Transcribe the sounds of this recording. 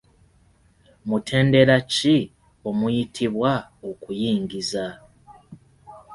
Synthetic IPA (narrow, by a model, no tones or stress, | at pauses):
mutʰe̞ːnde̞ɾaci | o̞mujitʰiβwaokujiːŋɡiza